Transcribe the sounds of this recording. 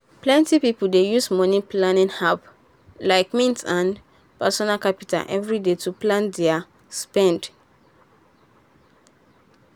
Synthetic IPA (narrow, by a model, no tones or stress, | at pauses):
plɛ̃ntipipuldejusmɔniplanĩnhap | laɪkmĩntãn | pasɔnakapita̰ʔɛ̰vɹidetuplãndɛa | spɛ̃nd